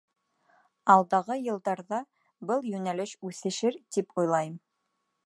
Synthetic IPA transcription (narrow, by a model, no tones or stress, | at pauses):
ɑlˠd̪ɑʁɤjɤ̆lˠd̪ɑɾðɑ | bɤlˠjʉnælɘʃʉθɘ̆ʃɘɾt̪ipʰujlˠɑjɤm